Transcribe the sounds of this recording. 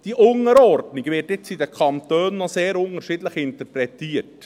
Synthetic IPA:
d̥iʔʊŋəɾɔrdniɡʋɪːtɪt͡sidəkʰɑmt̪øːnːɔseːɾʊŋəɾʃidləχɪntəɾpɾɛtiːət

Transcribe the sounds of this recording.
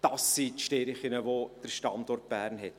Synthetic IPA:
d̥ɑsːit̪ʃteɾɪχɪnəʋod̥əɾʃtɑndɔrt̚b̥æːɾnɦɛt

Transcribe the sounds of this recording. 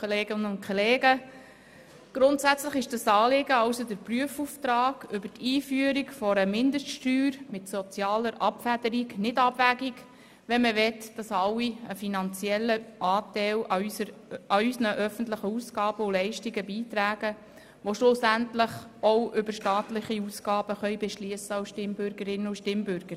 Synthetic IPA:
koleːɡɪnəʊnkʰoleːɡə | ɡ̥ɾʊntsæt͡sləχɪʃd̥ɑsɑːlɪɡəɑʊsod̪əɾpɾyəfuːft̪ɾɑːɡ̥ʏbəɾtʰiːfyːəɾikfɔɾəmɪndəʃtʃtyːɾmɪtsɔt͡sjɑːləɾʔɑpfædəɾiknɪdɑb̥ʋæːɡiɡ | ʋɛnməʋɛtd̥ɑsɑwːiəfinɑnt͡sjɛlːəʔɑːtɛɪləɑysənəʔœfən̩t̪ləχəusɡɑːb̥əʊlɛɪʃtiɡəbiːt̪ɾæːɡə | ʋoʃlʊsæntləχɔwʔʏbəɾʃtɑːtlɪχiusɡɑːb̥əχœjbɛʃliəsəɑʊsʃtɪmbʏɾɡəɾɪnːəʊʃtɪmbʏɾɡ̥əɾ

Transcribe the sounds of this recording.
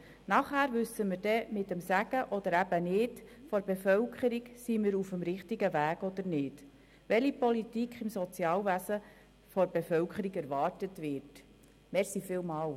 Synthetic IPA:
nɑχæːɾʋʉsəməɾdɛmɪtəmsæɡ̥əʔɔd̪əɾæb̥ənɪːtfɔɾbefœwkχəɾiksimɪɾufəmɾɪχtiɡəʋæːɡɔd̪əɾnɪːd | ʋɛlipɔlitikχɪmsɔt͡sjɑːlʋæsə | fɔɾbefœwkʰəɾiɡæɾʋɑːrtətʋɪɾt | mɛɾsifɪːlmɑːl

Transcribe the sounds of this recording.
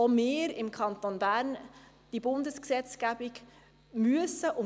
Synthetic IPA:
omeːɾɪmkʰɑnt̪onbæːɾn | d̥ibʊndəsksɛt͡sɡ̥æb̥ɪɡ | myəsəʔʊ

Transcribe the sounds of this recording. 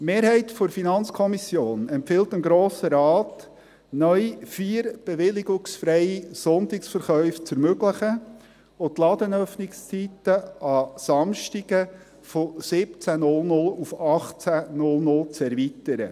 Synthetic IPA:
meːɾhɛɪtfoɾfinɑnt͡skʰɔmisjoːnɛmpfɪltɪmɡɾoːsəɾɑːt | nœʏifiːɾb̥eʋɪlɪɡʊksfɾɛjisɔnt̪ɪksfəɾχœʏft͡sɛɾmøɡlɪχə | ot̪lɑd̪ənœfnɪkst͡sitəɑsɑmʃtiɡ̥ə | fosɪp̚t͡sænʊlnʊlufɑχt͡sænʊlnʊlt͡sɛɾvit̪əɾə̰

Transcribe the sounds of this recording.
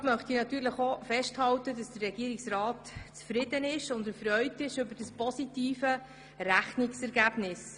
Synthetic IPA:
mœχtinɑt̪yːɾləχofɛʃthɑwtədɑsd̥ərːɛɡ̥iəɾiksrɑːtt͡sfɾɪdənɪʃʊndəfrœʏtɪʃʏbəd̥əspɔsitiːfə | ɾæχniksɛɾɡæːb̥nɪs

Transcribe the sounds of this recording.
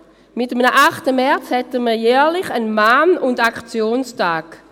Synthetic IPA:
mɪtəmnəʔaχtəmɛɐt͡shɛtəməɐjɛːlɪχənmaːnʊndakt͡sjoːnstʰaːɡ̥

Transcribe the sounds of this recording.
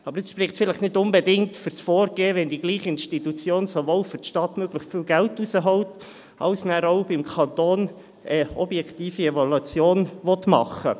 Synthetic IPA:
ɑbəɾəsʃpɾɪχsfɪləχnɪdʊnbɛdɪŋtfʏɾsfoːɾɡ̥eːəʋɛndiɡ̥liːχəɪnʃtitut͡sjoːnsoʋoːlfʏtʃtɑtmøɡləχtfɪlɡæltusəɦɔwt | ɑʊsnæɾɔʊbɪmkʰɑnt̪oːn | əɔbjɛkt̪iːfiɛvɔlut͡sjoːnʋɔt̪mɑ̰χːə̰

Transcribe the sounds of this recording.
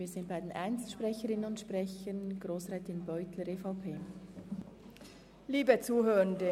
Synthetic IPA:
viːz̥ɪnt̚b̥aɪdenʔɛɪnstʃpʁɛçəɾɪnənʊntʃprɛçənɡɾoːsrɛːtɪnbɔʏtləɾeːfɑʊpʰeː | liːbət͡suːɦøːɾəndə

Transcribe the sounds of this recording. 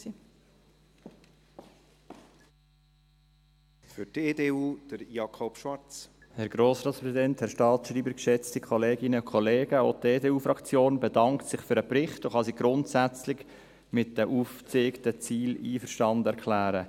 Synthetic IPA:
i | fʏteːdeːuːd̥əɾjɑkʰɔpʃʋɑɾt͡s | hɛɾɡ̥ɾoːsɾɑːt̪spʰɾɛzidɛnthɛɾʃtɑːtsʃriːbəɾkʃɛt͡stikʰɔleːɡɪnəkʰχɔleːɡ̥əoteːdeːuːfɾɑkt͡sjoːnbɛdɑŋktsɪχfʏɾəbɾɪχtoχɑsiːɡ̥ɾʊntsæt͡slɪɡ | mɪt̚dəʔuːft͡seːktət͡siːliːfəʃtɑndɛɾkʰlæːɾə

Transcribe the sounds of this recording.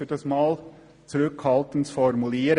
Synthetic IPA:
yːd̥ɑsmɑːl | t͡suɾʏkʰhɑlt̪ən̩tfɔɾmuliːɾ

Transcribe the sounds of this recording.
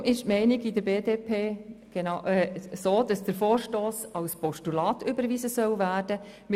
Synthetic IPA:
mɪʃtmɛɪnɪɡidəɾbeːdeːpʰeːɡ̥enɑʔɛsoːd̥ɑsd̥əɾfoːɾʃtoːsɑlspɔʃtulɑːtʰʏbəɾviːzəsœwvæːrd̥ə | mɪ

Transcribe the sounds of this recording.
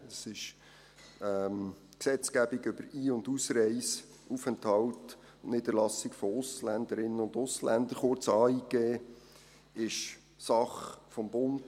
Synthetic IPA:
sɪʃ | ɛm | ksɛt͡skæbiɡʏb̥əɾiːʊndusɾɛɪs | ufɛnthɑwt | ʊnniːd̥əɾlɑsɪkfɔʊslændəɾɪnːənʊndʊslændəɾχʊɾt͡sɑːiːɡeː | ɪʃ | sɑχfɔmbʊnd

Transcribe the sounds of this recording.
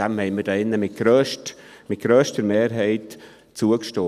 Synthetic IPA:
ɛmhɛɪməɾdɛɪnːəmɪt̚ɡ̥ɾøːʃtmɪt̚ɡ̥ɾøːʃtəɾmeːɾɦɛɪt | t͡suəkʃtoː

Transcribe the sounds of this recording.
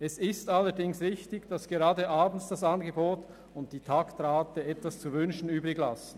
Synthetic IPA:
ɛsɪstalːəɾdɪŋsʁɪçtɪɡd̥asɡ̥eʁaːdəʔaːbn̩sd̥asanɡəboːt | ʊnt̚d̥iːtʰaktʁaːtəɛtvast͡suvʏnʃn̩yːbʁɪɡlasn̩

